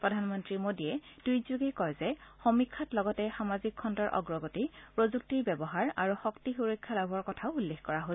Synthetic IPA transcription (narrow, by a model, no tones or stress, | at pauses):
pɹɔdʱanmɔntɹimodiɛd̥ujzuɡɛkɔjzɛxomikʰːatlɔɡɔtɛxamazikʰːɔndɔɹʔɔ̰ɡɹɔɡotipɹozuk̚tiɹbɛbɔɦaɹa̰ɹuxɔktixuɹɔkʰːalabʱɔɹkɔtʰaʊulːexkɔɹaɦo